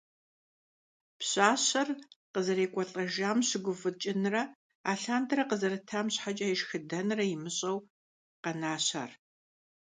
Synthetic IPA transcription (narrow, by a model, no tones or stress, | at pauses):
pɕaːɕɐrqəzɐɾeːkʷʼɔɬʼɐʒaːmɕɪɡʷʊfɨt͡ʃʼɪnɨrɐ | aːɬaːndɐɾɐqəzɐɾɨtʰaːmɕħat͡ʃʼaːjɪʃxɨdɐnrɐjɪmɨɕʼɐw | qɐnaːɕa̰r